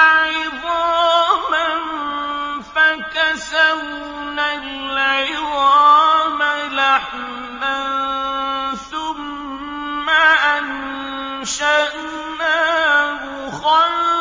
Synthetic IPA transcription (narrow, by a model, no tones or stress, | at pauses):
aɪðɑman | fakasaw | nalʕɪðɑːmalaħmɪman | θʊmː | aʔan | ʃaʔ | nawʊxɑ